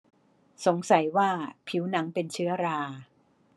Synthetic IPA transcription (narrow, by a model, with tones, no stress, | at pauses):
so˩˦ŋsa˨˩˦jwaː˥˩pʰi˦˥wna˩˥ŋpe˧nt͡ɕʰɯ˦˥ɐɾaː˧